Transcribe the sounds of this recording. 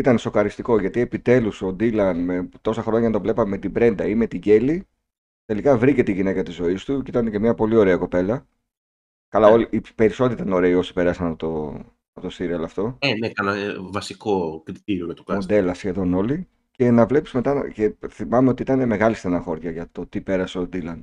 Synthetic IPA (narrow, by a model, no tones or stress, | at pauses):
it̪ɐneso̞klɐɾist̪iko̞ʝɐt̪ie̞pit̪e̞luso̞d̪ilɐnme̞t̪o̞sɐxɾo̞ɲɐnɐt̪o̞vle̞pɐmeme̞t̪ibɾe̞nd̪ɐime̞t̪iɟe̞li | t̪e̞likɐvɾice̞t̪eiʝine̞kɐt̪izo̞ist̪ucit̪ɐnece̞mɲɐpo̞lio̞ɾe̞ɐko̞pe̞lɐ | kɐlɐoliipe̞ɾiso̞t̪iit̪ɐno̞ɾeio̞si̥pe̞ɾɐsɐnɐpot̪o | ɐpot̪ost̪iɾiɐlɐft̪o̞enekɐnɐvɐsiko̞kɾit̪iɾiomɐt̪okmod̪e̞lɐsçe̞ðo̞no̞li | ce̞nɐvle̞pi̥zme̞t̪ɐn̰ce̞θimɐmeot̪iit̪ɐne̞me̞ɣɐlist̪enɐxo̞ɾʝɐʝɐt̪o̞t̪ipe̞ɾɐseod̪ilɐn